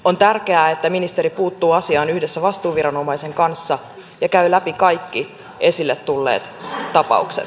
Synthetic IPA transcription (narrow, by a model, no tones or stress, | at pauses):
ont̪ærkeæːet̪ːæminist̪e̞ɾipuːt̪ːuːɑsiɑːnyhdesːæʋɑst̪uːʋiɾɑno̞mɑise̞ŋkɑnsːɑ | jɑkæylæpikɑjkːi | ʔe̞silːet̪tulːḛːt̪t̪ːɑpɑ̰uksḛt̪